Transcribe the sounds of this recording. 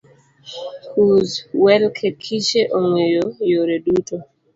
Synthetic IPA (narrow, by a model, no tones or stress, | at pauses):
huzwɛlkʰekʰiʃeʔoŋwejojoɾeduto